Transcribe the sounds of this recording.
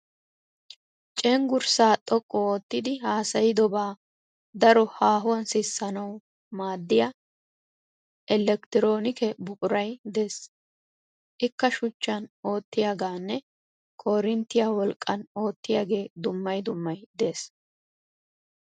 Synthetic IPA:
t͡ʃʼɛŋɡʊɾsaːt̪ʼɔkʼːɔoːt̪ːɪd̪ɪhaːsɐjɪd̪ɔbaː | d̪ɐɾɔhaːɦʊwɐnsɪsːɐnɐw | maːd̪ːɪja | ʔɛlːɛkt̪ɪɾo̞ːnɪkɛbʊkʼʊɾɐjd̪e̞ːs | ʔɪkːɐʃʊt͡ʃːɐno̞ːt̪ːɪjaːɡaːnːɛ | kʰɔɾɪnt̪ːɪjaːwɔlkʼːɐno̞ːt̪ːɪjaːɡe̞ːd̪ʊmːɐjd̪ʊmːɐjd̪e̞ːs

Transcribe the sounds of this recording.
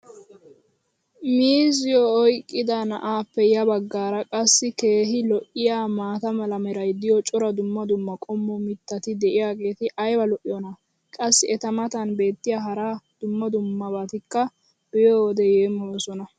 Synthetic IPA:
miːzɪjɔːjkʼːɪd̪ɐnɐʔaːpːɛjɐbɐɡːaːɾɐkʼɐsːɪke̞ːɦɪlɔʔɪjaːmaːt̪ɐmɐlɐmɛɾɐjd̪ɪjɔt͡ʃʼɔɾɐd̪ʊmːɐd̪ʊmːɐkʼɔmːɔmɪt̪ːɐt̪ɪd̪ɛʔɪjaːɡe̞ːt̪ɪʔɐjwɐlɔʔɪjɔnɐ | kʼɐsːɪɛt̪ɐmɐt̪ɐnbe̞ːt̪ːɪjaːɦɐɾad̪̥ʊmːɐd̪ʊmːɐbaːt̪ɪkːɐ | b̥ɪjoːwɔd̪ɛjeːmːɔwɔsɔnɐ

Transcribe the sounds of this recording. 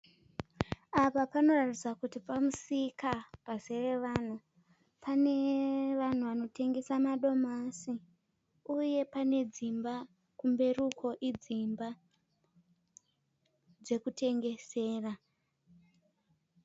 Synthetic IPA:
apapano̞ratid͡zakutipamusikapase̞re̞ʋan̤u | pane̞ʋan̤uʋano̞tʰe̞ŋɡe̞samaɗo̞masi | uje̞pane̞d͡zimba | kumbe̞rukʰo̞ʔid͡zimba | d͡ze̞kutʰe̞ŋɡe̞se̞ːra

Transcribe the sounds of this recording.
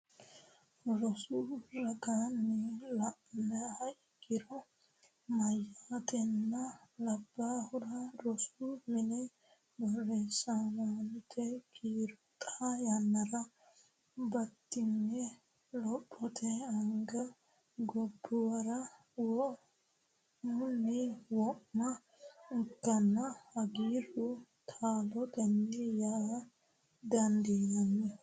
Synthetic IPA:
ɾɔsuɾɐɡaːnːɛlɐʔmɛhɐʔɪɡɪɾɔ | mɐjːaːt̪ɛnːɐlɐbːaːhʊɾɐɾɔsumɪnɛ | bɔrːesanant̪ʰːɛkʰiːɾʊt̪ʼajɐnːɐɾɐ | bɐt̪ːɪnːɛ | lɔpʼːɔt̪ʰɛɐŋɡɐ | ɡɔbːʊwɐɾɐ | wɔ | ʊniwɔʔmɐ | ʊkːɐnːɐhɐɡiːɾʊ | t̪ʰaːlɔt̪ɛnːɪja | d̪ɐnd̪iːd̪ɐnːɛ

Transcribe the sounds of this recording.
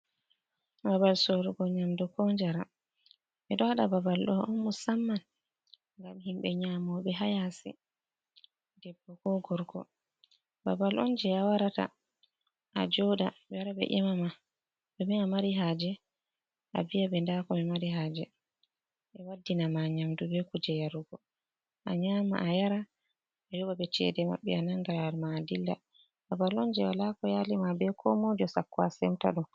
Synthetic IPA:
babalsoɾuɡɔɲamdɔkɔnd͡ʒaɾa | ɓɛɗɔhaɗababalɗɔɔnmusamːan | ŋɡamhimɓɛɲamɔɓɛɦajasɛ̰ | dɛbːɔkɔɡɔɾɡɔ̰ | babalʔɔ̰nd͡ʒɛawaɾata̰ | ʔa̰d͡ʒɔdabɾabɛ̰ʔimama | bɛmɛamaɾiɦaːd͡ʒɛ | ʔavijaɓɛndakɔmɛmaɾiɦaːd͡ʒɛ | ɛwadːinamaɲamdubɛkud͡ʒɛjaɾuɡɔ | ʔaɲaːma̰ʔajaɾa | ajɔbabɛt͡ʃɛ̰dɛma̰ɓːɛ̰anaŋɡalalmaːdilːa̰ | babalɔnd͡ʒɛwalakɔjalimabɛkʰɔ̰mɔd͡ʒɔsakːwa̰sɛmta̰ɗun

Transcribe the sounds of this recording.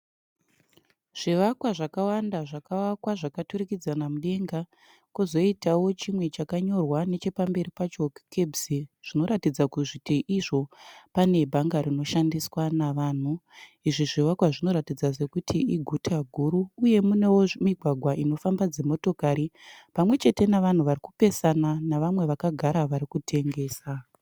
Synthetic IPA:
ʐ̥iʋakwaʐakawandaʐakawakwaʐakaturikid͡zanamuɗe̞ŋɡa | kuzo̞itawo̞t͡ʃimwe̞t͡ʃakaɲo̞rwane̞t͡ʃe̞pambe̞ɾipat͡ʃo̞kkebsiʐ̥ino̞ɾatid͡zakuʐitʰeʔiʐo̞pane̞bʱaŋɡaɾino̞ʃandiswanaʋaːn̤uiʐiʐiwakwaʐino̞ɾatid͡zaze̞kutʰiiɡʱutʰaɡʱuɾuːje̞mune̞womiɡʱwaɡʱwaʔino̞fambad͡ze̞mo̞to̞kaɾipamwe̞t͡ʃe̞te̞naʋan̤uʋariku̥pe̞sananaʋamwe̞ʋakaɡʱaɾaʋaɾikutʰe̞ŋɡe̞ːsa

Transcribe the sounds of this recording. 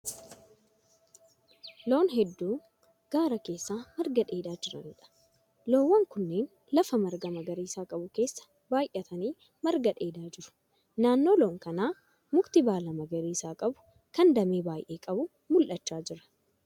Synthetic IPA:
lo̞ːnɦɛd̪ːuː | ɡ̥aːɾɐke̞ːsːaːmɐɾɡɐᶑe̞ːd̪aːd͡ʒɪɾɐ̰nɪᶑɐ̥ | lo̞ːwːɐŋkʊnːe̞ːn | lɐfɐmɐɾɡɐmɐɡɐɾiːsaːkʼɐbʊke̞ːsːɐ̥ | baːjʔɛt̪ʰɐniː | mɐɾɡɐᶑe̞ːd̪aːd͡ʒɪɾʊ̥ | naːnːo̞ːlo̞ːŋkɐnaː | mʊkt̪ɪbaːlɐmɐɡɐɾiːsaːkʼɐbʊ̥ | kɐnd̪ɐmeːbaːjʔe̞ːkʼɐbʊ | mʊlʔɐt͡ʃːaːd͡ʒɪɾɐ̥

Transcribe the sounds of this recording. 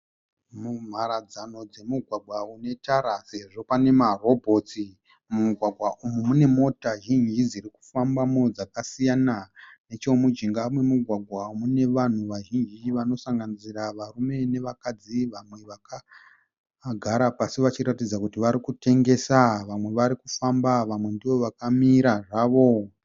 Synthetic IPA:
mum̤aɾad͡zano̞d͡ze̞muɡʱwaɡʱwaune̞taɾase̞ʐo̞pane̞maro̞bʱo̞t͡si | muɡʱwaɡʱwaʔumumune̞mo̞taʒind͡ʒid͡ziɾiku̥fambamod͡zakasijanane̞t͡ʃo̞mud͡ʒiŋɡamwe̞muɡʱwaɡʱwamune̞ʋan̤uʋaʒind͡ʒiʋano̞saŋɡaniziraʋarume̞ne̞ʋakad͡ziʋamwe̞ʋaka | ɡʱaɾapasiʋat͡ʃiɾatid͡zakutiʋaɾikute̞ŋɡe̞saʋamwe̞ʋaɾikufambaʋamwe̞ndiʋo̞ʋakamiɾaʐaːʋo̞

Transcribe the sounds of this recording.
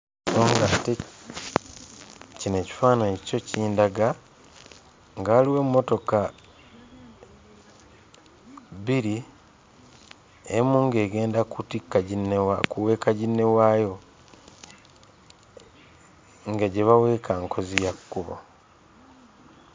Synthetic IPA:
soːŋɡate | cine̞ci̥faːnacco̞ciːndaɡa | ŋɡaːliwe̞mmːo̞to̞ka | βiɾi | ḛmuːŋɡe̞ːɡe̞ːndakutikːaɟinːewakuwe̞ːkaɟinːe̞waːjo̞ | ŋɡaɟeβawe̞ːkʰaŋkʰo̞zijakːuβo̰

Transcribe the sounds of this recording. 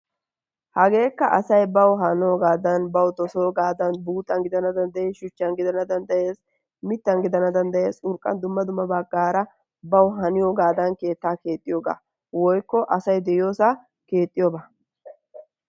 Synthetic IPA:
hɐɡe̞ːkːɐʔɐsɐjbɐwɦɐnoːɡaːd̪ɐnbɐwt̪ɔsoːɡaːd̪ɐnbuːt̪ʼːɐnɡɪd̪ɐnɐd̪ɐnd̪ɐjeːsʃʊt͡ʃːɐnɡɪd̪ɐnɐd̪ɐnd̪ɐjeːs | mɪt̪ːɐnɡɪd̪ɐnɐd̪ɐnd̪ɐjeːsʊɾkʼːɐ̰nd̪ʊmːɐd̪ʊmːɐbɐɡːaːɾɐ | bɐwɦɐnɪjoːɡaːd̪ɐnke̞ːt̪ːaːke̞ːt̪ʼːɪjoːɡa̰ː | wɔjkːɔʔɐsɐjd̪ɛjjo̞ːsa | ke̞ːt̪ʼːɪjoːbaː

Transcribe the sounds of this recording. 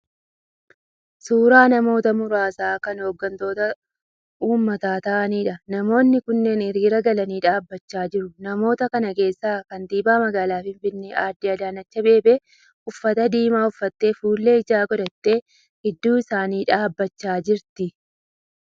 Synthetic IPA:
suːɾaːnɐmo̞ːt̪ɐmʊɾaːsaːkɐnhoːɡːɐnt̪o̞ːt̪ɐ | ʔuːmːɐt̪aːt̪ɐʔɐniːᶑɐnɐmo̞ːnːɪkʊnːe̞ːnɪɾiːɾɐɡɐlɐniːᶑaːbːɐt͡ʃːaːd͡ʒɪɾʊnɐmo̞ːt̪ɐkɐnɐke̞ːsːaːkɐnd̪iːbaːmɐɡaːlaːfɪɱfɪnːeʔaːɾd̪iɐd̪aːnɐt͡ʃːɐbe̞ːbe | ʊfːɐt̪ɐd̪iːmaːʊfːɐt̪ːe̞ːfuːlːe̞ːɪd͡ʒaːɡɔd̪ɐt̪ːe̞ː | ɪd̪ːuːɪsaːniːᶑaːbːɐt͡ʃːaːd͡ʒɪɾt̪ɪ

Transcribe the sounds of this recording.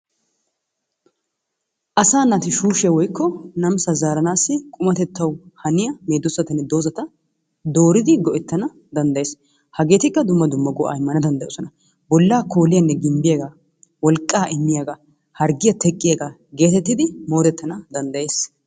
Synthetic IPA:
ʔɐsaːnːɐt̪ɪʃuːʃɛwɔjkːɔnɐmsɐzaːɾɐnaːsːɪkʼʊmɐt̪ɛt̪ːɐwhɐnɪjɐme̞ːd̪ːɔsːɐt̪ɐnːɛd̪o̞ːzɐt̪ɐ | d̪o̞ːɾɪd̪ɪɡɔʔɛt̪ːɐnɐ | d̪ɐnd̪ɐjeːs | hɐɡe̞ːt̪ɪkːɐd̪ʊmːɐd̪ʊmːɐɡɔʔɐ̰ɪmːɐnɐd̪ɐnd̪ɐɛjɔsɔnɐ | bɔlːaːko̞ːlɪjɐnːɛɡɪmbɪjɐɡɐ | wɔlkʼːaːʔɪmːɪjaɡɐ | hɐɾɡɪjɐt̪ɛkʼːɪjaɡɐ | ɡe̞ːt̪ɛt̪ːɪd̪ɪmo̞ːd̪ɛt̪ːɐnɐd̪ɐnd̪ɐje̞ːs

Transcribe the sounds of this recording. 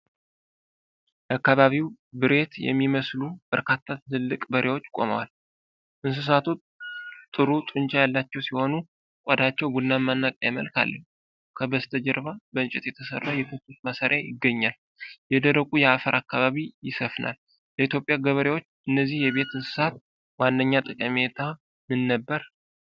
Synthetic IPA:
jɛakːaβaβiwbɨɾe̞t̪jɛ̰mːiməslub̥əɾkʰat̪ʰːat̪ɨlɨlːɨkʼbəɾʔewo̞t͡ʃːkʼo̞̰mə̰wa̰l | ʔɨns̬ɨs̬at̪ʰu | t̪ʼːɨɾut̪ʼɨnt͡ʃajalːat͡ʃːɛwsiho̞nu | kʷʼɔd̪at͡ʃːɛwbulnamːanːakʼajaməlkʰa̰lːəhu | kʰəbəst̪ʰəd͡ʒɛɾβabəɨnt͡ʃʼɪt̪jɛt̪ʰəsə̰rːəwjɛkʰɨt̪ːut̪masaɾjajɪɡːəɲːal | jɛd̪əɾəkʼujɛafəɾʔakːaβaβijɪsəfna̰l | ləit̪ʰjo̞pʼjaɡəβəɾewot͡ʃːʔɨnːəzːihjɛβe̞t̪ɨnsɨ̥sat̪̚ | manːəɲːat̪ʼɨkʼəmet̪ʰa | mɨnːəbːəɾ

